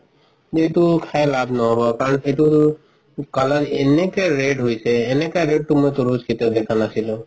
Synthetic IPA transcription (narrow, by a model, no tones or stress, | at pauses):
etukʰajlabnɔɦɔbɔkaɹɔnetu | kalanenɛkɛɹeɖɦojsɛːnɛkaɹeɖ̚ʈumojt̪uɹuskit̪ɔd̪ɛkʰanasilũ